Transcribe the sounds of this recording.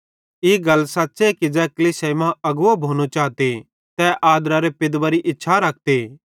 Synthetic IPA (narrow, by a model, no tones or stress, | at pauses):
iːɡɐlsatːsekid͡ʒɛːkɐliːsemãɐɡʊobʱoːñot͡ʃaːt̪e | t̪ɛʔaːd̪ɾaɾepɪd̪ʋaɾiʔɪtːʃʰaɾɐk̚ʰt̪eː